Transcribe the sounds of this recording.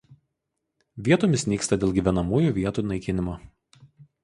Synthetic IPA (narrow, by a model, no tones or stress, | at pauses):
ʋʲiɛt̪oːmʲɪsnʲiːkst̪ɐd̪ʲeːlˠɡʲiˑʋʲɛnɐmuːjuːˑʋʲiɛt̪uːˑnɐɪkʲɪnʲɪmoː